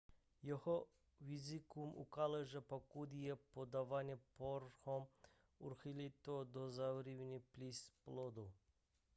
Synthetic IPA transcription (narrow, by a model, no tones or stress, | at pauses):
jɔhɔ | wizikumṵkalɛʒapakud̪ijɛpod̪aʋanjɛpɔɾxɔm | uɾxilit̪od̪ɔzawɾiwniplisplod̪u